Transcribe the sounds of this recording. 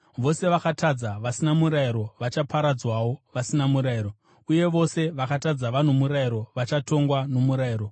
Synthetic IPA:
ʋo̞se̞ʋakatad͡zaʋasinamuɾaiɾo̞ʋat͡ʃapaɾad͡zwawo̞ʋasinamuɾairo | uje̞ʋo̞se̞ʋakatad͡zaʋan̤umuɾaiɾo̞ʋat͡ʃato̞ŋɡwano̞muɾaiɾo̞

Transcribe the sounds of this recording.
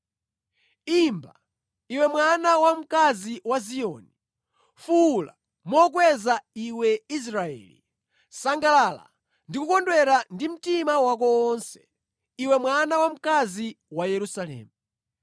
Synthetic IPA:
imba | iwɛmwanawam̩kaziwaziɔːni | fula̰ | mɔk̬wɛzaiwɛis̬ɾaɛ̰ːlḭ | saŋɡalala̰ | ndikukɔndwɛɾandim̩timawak̬ɔːnsɛ̥ | iwɛmwanawam̩kazi | wajɛɾusalɛ̰ːmu

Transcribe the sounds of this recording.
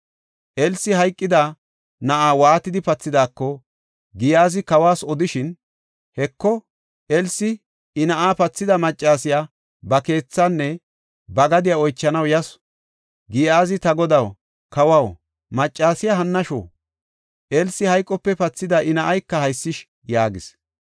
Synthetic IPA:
ʔɛlsːɪɦɐjkʼːɪd̪aː | nɐʔaːwaːt̪ɪd̪ɪpɐt͡sːɪd̪aːkːɔ | ɡɪjaːzɪkɐwaːsɔd̪ɪʃɪn | hɛkːɔ | ʔɛlsɪ | ɪnɐʔaːpɐt͡sːɪd̪ɐmɐt͡ʃʼːaːsɪjaː | bɐke̞ːt͡sːanːɛ | bɐɡɐd̪ɪjaɔjt͡ʃːɐnɐwjɐs | ɡɪjaːzɪt̪ɐɡɔd̪ɐw | kɐwɐw | mɐt͡ʃʼːaːsɪjaɦɐnːɐʃo̰ː | ʔɛlsːɪhɐjkʼːɔpːɛpɐt͡sːɪd̪aʔɪnɐʔɐjkːɐhɐjsːɪʃ | jaːɡɪs

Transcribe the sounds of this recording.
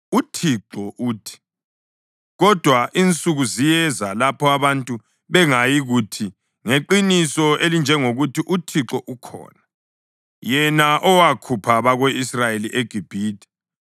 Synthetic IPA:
utʰiǁɔʔuːtʰi̥ | ɣɔd̥ʱwaʔint͡sʼuɣuzijɛzalapʰɔaβantʼu | βɛŋajiɣutʰi | ŋeǃinisɔelind͡ʒʱɛŋoɣutʰiʔutʰiǁɔʔukʰɔ̰ːna | jɛnaʔɔwakʰupʰaβaɣweisrajeliʔeɡ̥ʱib̥ʱiːdi̥

